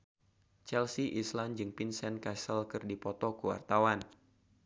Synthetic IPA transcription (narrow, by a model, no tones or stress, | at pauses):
t͡ʃɛlsiʔisland͡ʒɨŋpinsɛnkasəlkɨrdipɔt̪ɔkuwa̰rt̪awan